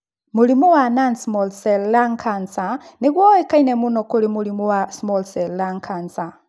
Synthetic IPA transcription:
mulimuwanansmolsellaŋkʰansaniɣwowekainemunokolimulimuwasmolsellaŋkʰansa

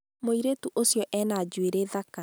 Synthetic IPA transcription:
moiɾetuʔosjɔʔɛnad͡ʑweɾeðaka

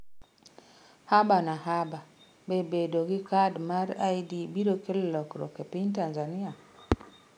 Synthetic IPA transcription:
habanahaba | bɛbedoɡikadmaɾajdibiɾokɛlːɔkɾo̰kepintanzania

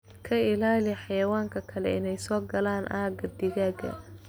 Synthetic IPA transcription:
kʰɐɪlaːlɪħɑjɐwaːŋkʰɐkʰɐlɛ̰ɪnɛjsɔːɡɐlaːnʔaːɡɐd̪ɪɣaːɡɐ̰

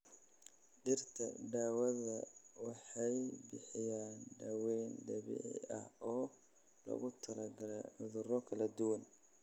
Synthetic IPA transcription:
ɖɪrt̪ʰɐ̰ɖaːwɐðɐwɑħɑjbɪħɪjaːnɖɐwɛjnd̪ɐβɪ̰ʕɪ̰ɐhɔː | lɐ̰ɣʊt̪ʰɐlɐɡɐðʊɾɔkʰɐlɐd̪ʊwɐn

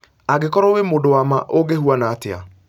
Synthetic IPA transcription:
aɡekɔɾɔwemodowamaʔoɡehuanaːtea̰

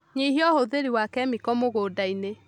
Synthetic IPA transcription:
ɲiɦiɔhoðeɾiwakɛmikɔmoɣodaine

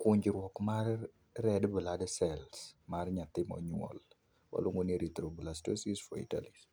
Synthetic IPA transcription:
kʊɲd͡ʒɾwɔkmar | ɾɛdbəladɛsɛlsmaɾɲat̪ːɪmɔ̰ɲwɔ̰l | wa̰loŋoneɾit̪ɾobəlastosisfɔḭta̰lis

